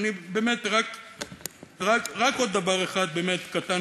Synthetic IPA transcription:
nibe̞ːmet̪ʁak | ʁakʁako̞d̪ːavaʁeχad̪̚beːme̞t̪kat̪a

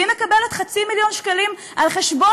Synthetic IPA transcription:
imekabe̞let̪χat͡similjo̞nʃkalim | ʔalχeʃbo

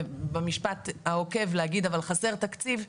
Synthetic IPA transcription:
bemiʃpat̪aoke̞vlehaɡid̪avalχase̞ʁt̪akt͡siv

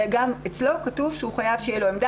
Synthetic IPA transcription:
ɡamet͡slo̞katuvʃeuχajavʃejelo̞emd̪a

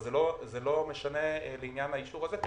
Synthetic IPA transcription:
zelozelo̞me̞ʃane̞leinjanhaiʃuʁaze

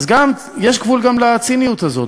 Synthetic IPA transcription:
zɡam | jeʃkvulɡamlat͡sinijut̪hazo̞̰t̪

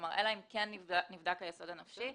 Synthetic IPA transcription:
maʁʔelaimkenːinivd̪akhajeso̞danafʃi

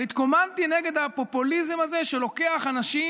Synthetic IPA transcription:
lit̪komant̪ineɡe̞d̪hapo̞pulizemazeʃe̞lo̞ke̞aχanaʃi

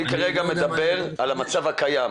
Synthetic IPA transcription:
ikaʁeɡame̞d̪abe̞ʁalamat͡savakajam

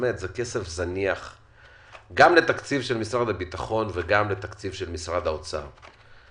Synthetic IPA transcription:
met̪zeke̞se̞fzaniaχ | ɡamle̞t̪akt͡sivʃelmisʁad̪abit̪aχo̞nveɡamle̞t̪akt͡sivʃelmisʁad̪haot͡sa̰

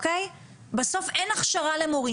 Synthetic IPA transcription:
kej | baso̞fenaχʃaʁalemoʁi

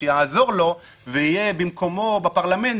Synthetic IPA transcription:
jazo̞ʁlo̞ | veijebimko̞mo̞bapaʁlamen

